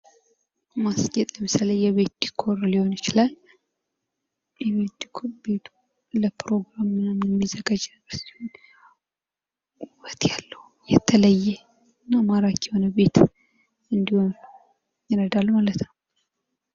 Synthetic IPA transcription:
masɲɛt̪ʼɛmsaləjɛβe̞t̪̚d̪ikʰo̞ɾliho̞njɪt͡ʃɪlal | jɛβet̪d̪ikʰobe̞t̪ʰu̥ | ləpɾo̞ɡɾamɨnːəmjɛmːizəɡad͡ʒnɨbəɾsi̥hon | uβət̪jalːəhu | jɛt̪ʰələjːɛ | ɨnːamaɾakjɛho̞nəbe̞t̪ | ɨnd̪iho̞n | jɪɾəd̪alːmalət̪nəw

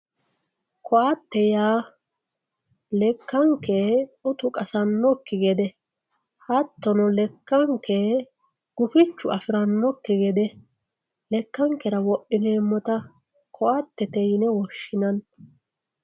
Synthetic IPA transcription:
kʰɔʔat̪ːɛjaː | lɛkːɐŋkeʊt̪ʊkʼɐsɐnːɔkːɪɡɛd̪ɛ | hɐt̪ːɔnɔlɛkːɐŋkːe | ɡ̥ʊfɪt͡ʃːʊʔɐfɪɾɐnːɔkːɪɡɛd̪ɛ | lɛkːɐŋkːɛɾɐwɔɗːɪneːmːɔt̪ɐ | kʰɔʔɐt̪ːɛt̪ɛjɪnɛwɔʃːɪnɐn

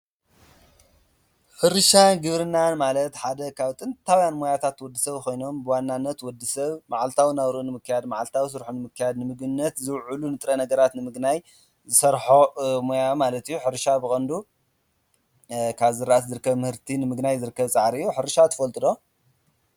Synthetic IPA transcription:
ħɨɾɨʃaɡɨβɾɨnːanmalɐt̪ħad̪ɐkʰaβt̪ʼɨnt̪ʰawjanmo̞jat̪ʰat̪wɔd̪ːɨsɐβkʰo̞jno̞mbɨwanːanːɐt̪wɔd̪ːɨsɐβmaʕalt̪ʰawinaβɾuʔnɨmɨkʰːɨjad̪maʕalt̪ʰawis̬ɨɾħunɨmɨkʰːɨjad̪nɨmɨɡnːɐt̪zɨwʕulunɨt̪ʼɾɐnɐɡɐɾat̪nɨmɨɡnaj | zɨsɐɾħomojamalɐt̪ijːuħɨɾʃabɨxʼɐnd̪u | kʰaβzɨɾːaʔat̪zɨɾɨkːɐβmɨhɨɾt̪ʰinɨmɨɡnajzɨɾɨkːɐβt͡sʼaʕɾiɨjːuħɨɾʃat̪ʰɐ̥fɐlt̪ʼɨd̪o̞

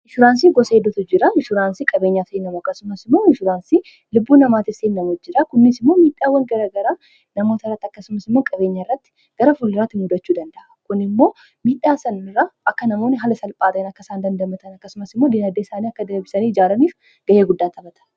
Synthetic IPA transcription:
ʔɪʃʊɾaːnsiːɡɔsɐed̪ɔt̪ʊd͡ʒɪɾɐɪʃʊɾaːnsiːkʼɐbe̞ːɲːaːfeːnːɐmʊɐkːɐsʊmɐsɪmːo̞ːɪʃʊɾaːnsiː | lʊbːuːnɐmaːt̪ɪseːnːɐmʊd͡ʒːɪɾakʊnːɪsɪmːo̞ːmiːᶑːaːwːɐŋɡɐɾɐɡɐɾaː | nɐmo̞ːt̪ɐrːɐt̪ːɐkːɐsʊmɐsɪmːo̞ːkʼɐbe̞ːɲːaɪrːɐt̪ːɪ̥ | ɡ̥ɐɾɐfʊlːɪɾaːt̪ːɪmʊd̪ɐt͡ʃːuːd̪ɐnd̪ɐʔɐkʊnɪmːo̞ː | miːᶑːaːsɐnɪraːʔɐkːɐnɐmo̞ːnɪɦɐlɐsɐlpʼaːt̪ɐɪnɐkːɐsaːnd̪ɐnd̪ɐmɐt̪ɐnɐkːɐsʊmɐsɪmːo̞ːd̪inɐd̪eɪsaːniːɐkːɐd̪ɐɾbɪsɐniːd͡ʒaːlɐniːf | ɡ̥ɐjeːɡʊd̪ːaːt̪ʰɐbɐt̪ɐ̥

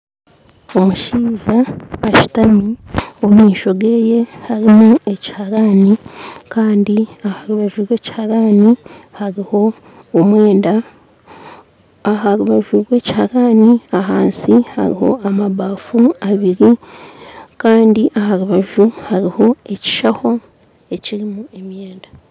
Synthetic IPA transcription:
o̞muʃiːʒaːʃi̥tamiomiːʃo̞ɡe̞ːje̞haɾimue̞ci̥haɾaːnikaːndiahaɾuβaʒuɾwe̞ːci̥haɾaːnihaɾiho̞ | omwe̞ːnda | ahaɾuβaʒuɾwe̞ːci̥haɾaːniaɦaːnsiha̰ɾḭho̞̰amaβaːfuaβiɾi | kaːndiʔahaɾuβaʒuhaɾiho̞e̞ci̥ʃaho̞ | e̞ciɾimue̞mje̞ːnda

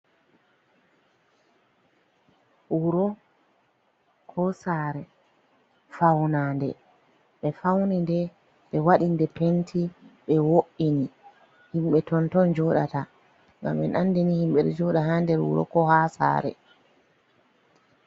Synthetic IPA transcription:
uɾɔ | kʰɔsaːɾɛ | fawnaːndɛ̰ | ɓɛfawnindɛ | ɓɛwaɗindɛpentʰiɓɛwoʔini | himɓɛtɔntɔnd͡ʒɔɗata | ŋɡa̰mɓɛ̰nandenihimɓɛɗɛ̰d͡ʒɔɗaɦandɛɾwṵɾɔ̰kɔhasa̰ːɾɛ̰

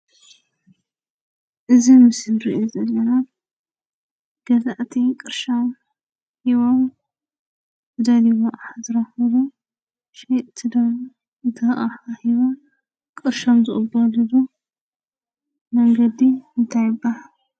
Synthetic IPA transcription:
ʔɨzimɨsɨlɾḭʔozɐlːɐnat̪ | ɡ̥ɐzaʔt̪ʰikʼɨɾʃam | hiβom | ɨd̪ɐliwoʔħazɨɾahɐβu | ʃet̪ʰɨd̪om | t̪ʰɨɾʔaħahiβom | kʼɨɾʃomzɨχʼɨbɐlɨzu | mɐŋɡɐd̪iɨnt̪ʰajɪbːahal

